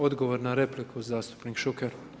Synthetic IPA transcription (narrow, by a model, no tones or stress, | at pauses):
o̞d̪ɡo̞ʋoɾnaɾeplikʰuuzaːst̪u̥pnikʃukeɾ